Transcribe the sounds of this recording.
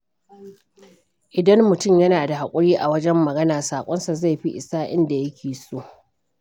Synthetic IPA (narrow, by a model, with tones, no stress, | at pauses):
ʔɪ˨dɐ˦mːʊ˨tʊ˦mjɐ˦naː˨da˨ha˨kʷʼʊ˦ɽiː˦ʔa˨wɐ˦d͡ʒɛ˦mːɐ˨ɡɐ˦naː˨saː˨kʷʼɔ˦nsa˨za˦˨jɸi˦ʔɪ˨saː˦ʔɪ˦nda˨jɐ˦kʲʰeː˨soː˦ʔ